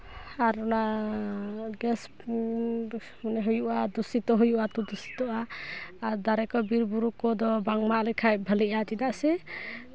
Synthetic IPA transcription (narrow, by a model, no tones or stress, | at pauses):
aɾɔna | ɡɛs | manɛɦujuʔad̪usit̪ɔɦujuʔat̪ɔd̪usi̥t̪ɔʔaːɾd̪aɾɛkɔbiɾbuɾukɔd̪ɔbaŋmaʔlɛkʰaj̚bʱəliʔat̪id̪aʔsɛ